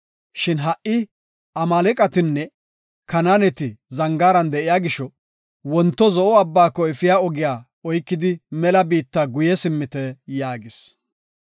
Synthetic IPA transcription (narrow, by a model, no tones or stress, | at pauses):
ʃɪnɦɐʔʔɪ | ɐmaːlɛkʼɐt̪ɪnːɛ | kɐnaːnɛt̪ɪzɐŋɡaːɾɐnd̪ɛʔɪjaːɡɪʃɔ | wɔnt̪ːɔzɔʔɔɐbːaːkːɔɪfɪjaːɔɡɪjaː | ɔjkːɪd̪ɪmɛlɐbiːt̪ːaːɡʊjɛsɪmːɪt̪ɛjaːɡɪs